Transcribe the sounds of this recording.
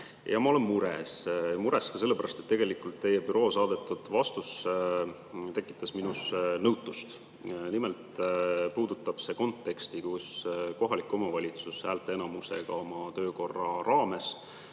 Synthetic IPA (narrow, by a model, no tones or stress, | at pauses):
jɑmɑo̞le̞mːuɾe̞smuɾe̞skɑs̬e̞lːepæɾʔɑst̪e̞t̪ːe̞ɡ̥e̞likult̪t̪ːe̞jepyɾo̞ːsɑːd̪̥e̞t̪ːˑud̪̥vɑst̪us | t̪e̞kːˑi̥t̪ːˑɑsminusnɤwt̪ˑːust̪ | nimelt̪puːd̪̥ut̪ːˑɑb̥se̞ːko̞nt̪ːˑe̞kst̪ikusko̞ɦɑlikːˑo̞mɑvɑlʲit̪sushæːlt̪ːˑeenɑmuse̞̰ɡ̥ɑ̰o̞mɑt̪ø̞ːko̞rːɑrɑːme̞s